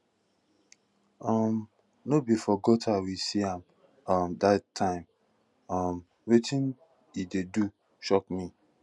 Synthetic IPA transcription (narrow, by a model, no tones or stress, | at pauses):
ɔm | nobifɔɡotʰawisiãm | ʌmdatʰːãɪ̃m | ʌm | wetĩn | idedu | ʃɔk̚mi